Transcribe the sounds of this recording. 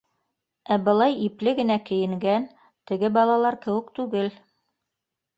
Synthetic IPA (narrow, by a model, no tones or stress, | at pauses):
æbɤ̆lˠɑjiplɘɡɘ̆nækɘ̆jɘ̆ŋɡæn | t̪ɘ̆ɡɘbɑlˠɑlˠɑɾkɘ̆wɘ̆kt̪ʉɡɘl